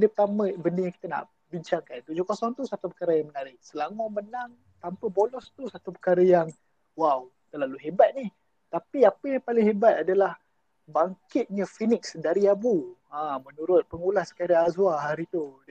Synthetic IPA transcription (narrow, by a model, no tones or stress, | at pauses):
dəpət̪amə̃bəndəjãŋki̥t̪əna̰ʔ | biɲt͡ʃaŋkant̪ud͡ʒukosɔŋt̪usat̪upəkaɾəjaŋmənaɾɪʔsəlamɔmənaŋ | t̪ampəbolɔst̪usat̪upəkaɾəjaŋ | waw | t̪əlaluɦebat̪̚nih | t̪apiapəjaŋpalɪŋɦebat̪adalah | baŋkɪt̪̚ɲəfinɪksdaɾiabuãmənuɾʊt̪̚pəŋulasə̥kaɾaazuaɦaɾit̪u